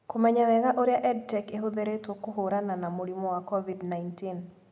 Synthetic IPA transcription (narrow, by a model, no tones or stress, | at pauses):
komɛɲawɛɣaʔoɾeaʔɛd̚tɛkeɦoðeɾetwɔkoɦoɾananamoɾimɔwakɔvidnaintin